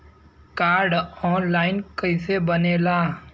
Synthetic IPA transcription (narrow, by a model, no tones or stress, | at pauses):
kaːɾɖɔːnlaːɪnkəɪsebəneːlaː